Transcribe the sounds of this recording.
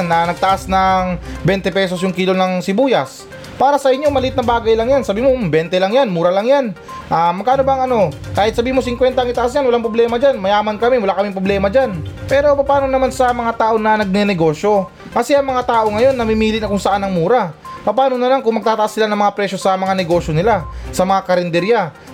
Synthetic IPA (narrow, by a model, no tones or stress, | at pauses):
nːɐnɐɡ̚t̪ɐʔasnɐŋbɛnt̪ɛpɛːso̞sjʊŋkiːlo̞nɐŋsɪbuːjɐs | paːɾɐsɐʔɪɲːo̞mɐlɪt̪nɐbaːɡɐjlɐŋjansɐbiːmombɛnt̪ɛlɐŋjanmuːɾɐlɐŋjan | ʔamɐɡ̚kaːnobɐŋʔɐno̞kaːhɪt̪̚sɐbiːimo̞sɪŋkwɛnt̪ɐʔɐŋʔɪt̪ɐʔas̬ɲjanwɐlaŋpɾoblɛːmɐd͡ʒanmɐjaːmɐnkɐmɪwɐlaʔkɐmɪŋpɾoblɛːmɐd͡ʒanpɛːɾo̞pɐpaːnonɐmansɐmɐŋat̪aːʔo̞nɐnɐɡ̚nɛnɛɡo̞ːʃjo̞ | kɐsɛʔɐŋmɐŋat̪aːʔo̞ŋɐjo̞nːɐmɪmiːlɪnɐkʊŋsɐʔanɐŋmuːɾapɐpaːno̞nɐmankʊŋmɐɡ̚t̪aːt̪ɐʔasːɪlanɐŋmɐŋapɾɛʃo̞sɐmɐŋanɛɡo̞ːʃjo̞nɪlasɐmɐŋakɐɾɛnd̪ɛɾja